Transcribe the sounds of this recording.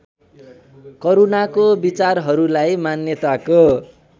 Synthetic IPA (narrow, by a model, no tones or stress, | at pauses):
koɾunakobit͡sarɦʌɾulajmanjʌt̪ako